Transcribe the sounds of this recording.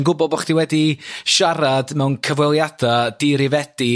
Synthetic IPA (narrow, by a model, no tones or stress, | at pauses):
nɡʊbɔbɔχd̥iwɛdiʃaɾadmɛwnkʰəvwɛlˠjad̥ad̥iɾɪvɛd̥i